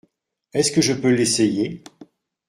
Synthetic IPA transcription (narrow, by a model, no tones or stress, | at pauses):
ɛskəʒəpøleseje